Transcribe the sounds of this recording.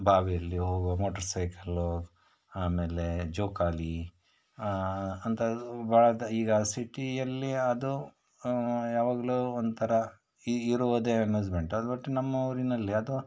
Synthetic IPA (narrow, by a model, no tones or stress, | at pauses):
bʱaːʋijɐlːiɦoːɡumoːʈɐɾsɐjkɐl | aːme̞ːled͡ʒoːkaːli | ɐnt̪ʰɐbʱaːɭɐd̪ɐiːɡɐsiʈijɐlːiɐd̪u | jaːʋaːɡɐɭuond̪ut̪ʰɐɾɐ | iɾuʋɐd̪eːmuːd͡ʒmeɳʈɐd̪bɐʈːunɐmːɐoːɾinɐlːiɐd̪u